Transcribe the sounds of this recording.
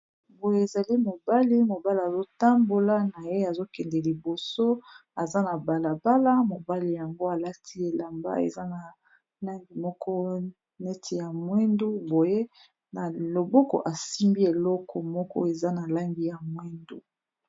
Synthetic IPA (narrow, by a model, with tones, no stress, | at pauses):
bo˨je˦e˨za˨li˦mo˨ba˦li˦mo˨ba˦li˨a˨zo˦ta˦mbo˦la˦na˨je˦a˨zo˦kɛ˨ndɛ˨li˨bo˨so˦a˨za˦na˨ba˨la˨ba˦la˦mo˨ba˦li˨ja˨ŋɡo˦a˨la˦tʰi˦e˨la˨mba̰˦ḛ˨za˦na˨ | la˦ŋɡi˨mɔ˦kɔ˦ | nɛ˦tʰi˨ja˨mwɛ˦ndu˦bo˨je˦ | na˨lo˨bɔ˦kɔ̰˨ʔa˨si˦mbi˦e˨lɔ˦kʰɔ˨mɔ˦kɔ̰˦e˨za˦na˨la˦ŋɡi˨ja˨mwɛ˦ndu˦